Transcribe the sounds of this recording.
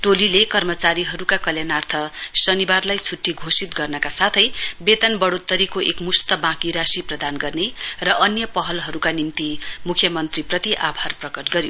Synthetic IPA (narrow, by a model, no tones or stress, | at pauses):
ʈolilekʌrmʌt͡saɾiɦʌɾukakʌljanart̪ʰʌsʌnibarlajt͡sʰuʈːiɡʱosit̪̚ɡʌrnʌkasat̪ʰʌjbet̪ʌnbʌɽot̪ːʌɾikoʔekmust̪ʌbãkiɾasiprʌd̪anɡʌrnerʌʔʌnjʌpʌɦʌlɦʌɾukanimt̪imukʰjʌmʌnt̪riprʌt̪iʔabʱarprʌkʌʈɡʌɾjo